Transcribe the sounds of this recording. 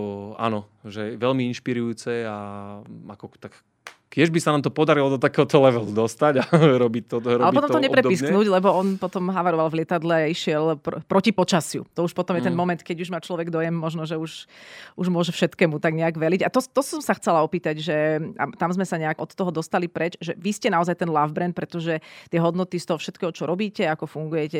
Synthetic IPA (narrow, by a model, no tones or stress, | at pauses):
a̰nɔ | ʒɛʋɛlmiinʃpiɾujuːt͡sɛa | akɔt̪ak | kɪɛʒbisanaːmt̪ɔpɔd̪aɾilɔd̪ɔt̪akɛːɦɔt̪ɔlɛʋɛlud̪ɔst̪aɟaɾɔbit̪ɔɾɔalɛpɔt̪ɔmt̪ɔɲɛpɾɛpisknuːɟlɛbɔɔnpɔt̪ɔmɦaʋaɾɔʋalʋlɪɛt̪ad̪lɛaiʃɪɛlpɾpɾɔcipɔt͡ʃasjṵt̪ɔuʃpɔt̪ɔmjɛt̪ɛnmɔmɛnt̪kɛɟuʒmaːt͡ʃlɔʋɛɡd̪ɔjɛmːɔʒnɔʒɛuʃuʒmʊɔʒɛfʃɛt̪kɛːmut̪aɡɲɛaɡʋɛliɟat̪ɔt̪ɔsɔmsaxt͡sɛlaɔpiːt̪aɟʒɛa̰t̪amzmɛsaɲɛaɡɔt̪t̪ːɔɦɔd̪ɔst̪alipɾɛt͡ʃʒɛʋiscɛnaɔzajt̪ɛnlavbɾɛnt̪̚pɾɛt̪ɔʒɛt̪ɪɛɦɔd̪nɔt̪ist̪ɔɦɔfʃɛt̪kɛːɦɔt͡ʃɔɾɔbiːcɛakɔfuŋɡujɛcɛ